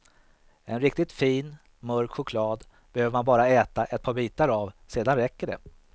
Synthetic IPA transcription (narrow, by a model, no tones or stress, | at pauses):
ɛnɾɪk̚t̪ɪt̪fiːn | mœɾkɧʊkʰlɑːd̪ | b̥ɛhøːvəɾmanbɑːɾaɛːt̪aʔɛt̪̚pʰɑːɾbiːt̪aɾavseːd̪anɾɛkːəɖɛ̰